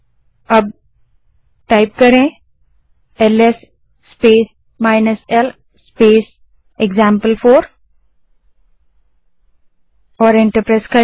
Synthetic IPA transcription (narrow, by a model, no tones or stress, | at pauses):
ɐb̚ | ʈaɪp̚kɐɾẽ | eles | speːs | maːɪnəsel | speːs | eɡzãːmpəlfʰoːɾ | ɔːɾẽɳʈəɾpɾeːskɐ